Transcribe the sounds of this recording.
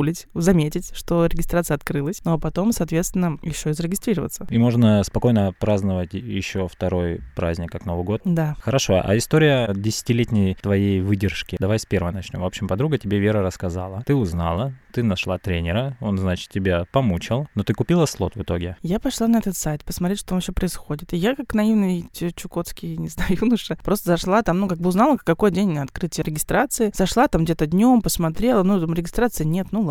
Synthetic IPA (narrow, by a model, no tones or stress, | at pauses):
lʲɪtʲzɐmʲetʲɪtʲʂt̪o̞ɾʲɪɡʲɪst̪ɾat̪sɨjɐt̪kɾɨlˠəsʲnopɐt̪o̞msɐːt̪vʲe̞t̪st̪vʲɪnːəjɪɕːoɪzəɾʲɪɡʲɪst̪ɾʲiɾəvə̰t̪səimo̞ʐnəspɐko̞jnəpɾaznəvətʲjɪɕːo̞ft̪ɐɾo̞jpɾazʲnʲɪkːakno̞vɨɡo̞t̪d̪axəɾɐʂo̞̰ʔa̰ɪst̪oɾʲɪjədʲɪsʲɪ̥tʲɪlʲetʲnʲɪjt̪vɐjejvɨdʲɪrʂkʲɪd̪ɐvajspʲeɾvəjnɐt͡ɕnʲo̞mvo̞pɕɪmpɐd̪ɾuɡətʲɪbʲevʲe̞ɾəɾəskɐza̰lˠət̪ɨʊznalˠət̪ɨnɐʂlˠat̪ɾʲenʲɪɾəo̞nznat͡ɕɪ̥t̪̚tʲːɪbʲapɐmut͡ɕɪlˠno̞t̪ɨkʊpʲilˠəslˠo̞̰t̪vɨt̪o̞ɡʲɪjapɐʂlˠanɐɛt̪ət̪sajɪt̪pəsmɐt̪ɾetʲʂt̪omɕopɾəɪsxo̞dʲɪt̪ɪjakaknɐivnɨjtʲɪt͡ɕʊko̞t̪skʲɪnʲɪznajʊjunəʂəpɾo̞st̪əzɐʂlˠat̪amnukaɡ̚bɨʊznalˠəkːɐko̞jdʲenʲnʲəɐt̪kɾɨtʲɪjəɾʲɪɡʲɪst̪ɾat̪sɨɪz̥ɐʂlˠat̪amɡdʲe̞t̪əd̪ʲnʲo̞mpəsmɐt̪ɾʲe̞lˠənut̪amɾʲɪɡʲɪst̪ɾat̪sɨənʲe̞t̪nu